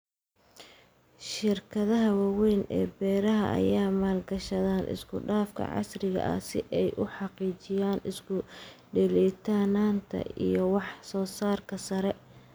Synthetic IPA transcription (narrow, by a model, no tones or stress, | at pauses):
ʃɪrkʰɐðɐɦɐwɑwɛjnʔɛ̰ːbɛːɾɐɦɐ̰ʔɐ̰jaːmaːlɡɐʃɐðaːnʔɪ̰skʰʊɖaːfkʰɐ̰ʕɑ̰srɪɣɐ̰ʔɐ̰sɪʔɛjʔʊħɑqiːt͡ʃɪjaːnɪskʰʊɖɛliːt̪ʰaːnaːnt̪ʰɐ̰ʔijɞwɑħsɔːsaːrkʰɐsɐɾɛ